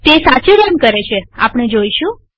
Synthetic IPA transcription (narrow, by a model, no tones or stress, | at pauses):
t̪esat͡ʃiɾjəmkəɾet͡ʃʰea̰pɽ̃ed͡ʒoiʃũ